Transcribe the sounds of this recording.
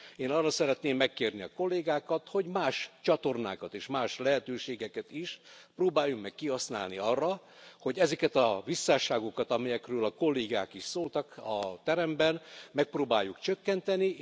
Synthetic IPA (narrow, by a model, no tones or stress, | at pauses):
eːnɒrːɒsɛɾɛt̪neːmːɛkːeːrniɒko̞lːeːɡaːkɒt̪ho̞ɟmaːʃt͡ʃɒt̪o̞rna̰ːkɒt̪eːʃmaːʃlɛɦɛt̪øːʃeːɡɛkɛt̪iʃproːbaːjːukmɛkːihɒsna̰ːlniɒrːɒ | ho̞ɟɛzɛkɛt̪ɒvisːaːʃaːɡo̞kɒt̪ɒmɛjɛkrøːlɒko̞lːeːɡa̰ːkiʃsoːlt̪ɒkɒt̪ɛɾɛmbɛnmɛk̚proːbaːjːukt͡ʃøkːɛnt̪ɛni